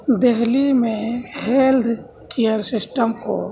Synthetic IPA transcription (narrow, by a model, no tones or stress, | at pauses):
d̪eɦlimẽheːld̪ | kijəɾsɪsʈəmko̰